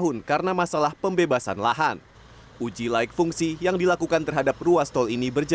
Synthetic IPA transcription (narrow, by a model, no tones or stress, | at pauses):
ɦʊnkaɾənamasalahpəmbebasa̰nla̰ɦan | ʔud͡ʒilaɪk̚fuŋsijaŋdilakukant̪ərɦadap̚ruast̪ɔlinibərd͡ʒ